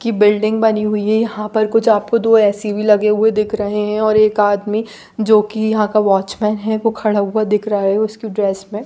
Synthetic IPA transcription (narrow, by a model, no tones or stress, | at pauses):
kibɪlɖɪ̃ŋɡ̚bɐniɦʊiɦɛjɐɦãpɐɾkʊt͡ʃʰaːp̚kod̪oːɛːsibʱilɐɡeɦʊed̪ɪkʰɾɐɦeɦɛ̃ɔːɾeːkaːd̪mi | d͡ʒoːkijɐɦãkaʋaːt͡ʃmɛːnɦɛʋokʰɐɽaɦʊad̪ɪkʰɾaɦɛʊskiɖɾeːsmẽ